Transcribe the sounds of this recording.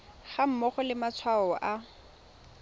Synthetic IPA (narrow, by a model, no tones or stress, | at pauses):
χam̩mɔχɔlɪmat͡sʰwaɔʔa